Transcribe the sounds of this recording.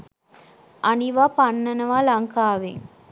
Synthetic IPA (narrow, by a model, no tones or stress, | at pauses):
ʔɐniʋaːpɐnːɐnɐʋaːlɐŋkaːʋḛŋ